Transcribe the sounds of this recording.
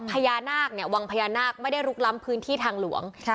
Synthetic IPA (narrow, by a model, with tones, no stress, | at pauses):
pʰa˧jaː˧naː˥˩k̚ni˥˩ɐwa˧ŋpʰa˧jaː˧naː˥˩k̚ma˥˩jda˥˩jɾu˦˥k̚la˦˥mpʰɯː˦˥nt̪ʰiː˥˩t̪ʰaː˧ŋlṵ˨˩˦əŋ